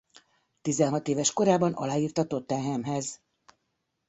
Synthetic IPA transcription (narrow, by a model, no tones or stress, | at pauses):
t̪izɛnɦɒt̪eːvɛʃko̞ɾaːbɒnɒ̰laːjiːrt̪ɒt̪o̞t̪ːɛɦɛmɦɛz